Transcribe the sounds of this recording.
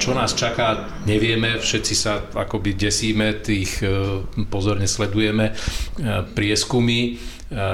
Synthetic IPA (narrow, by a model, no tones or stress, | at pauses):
t͡ʃɔnaːst͡ʃakaː | ɲɛʋɪɛmɛfʃɛt̪t͡sisaa̰kɔbiɟɛsiːmɛt̪iːx | pɔzɔɾɲɛslɛd̪ujɛmɛ | pɾɪɛskumi